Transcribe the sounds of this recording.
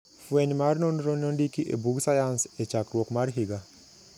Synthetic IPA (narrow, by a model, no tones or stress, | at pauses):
fuenmaɾnonɾononɖikiʔḛbuɡsajanset͡ʃakɾokmaɾɦiɡa